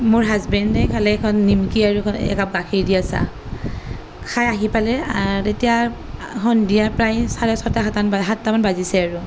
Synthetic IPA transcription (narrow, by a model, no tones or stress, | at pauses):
mʊɹɦazbɛndɛkʰalɛkʰɔnːimkiaɹuɔnɛ̰kap̚ɡakʰiɹdijasa̰ | kʰajaɦipalɛaɹtetijaxʰɔndijapɹajsaɹɛsɔtakʰatanbaɦatːamanbazisɛaɹʊ